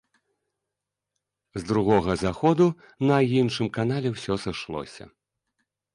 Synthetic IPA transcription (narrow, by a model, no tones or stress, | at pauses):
zd̪ɾuɣɔɣɐzaxɔd̪u | nɐinʂɨmkanalʲɛwsʲɔsɨʂlˠɔ̰sʲɐ̰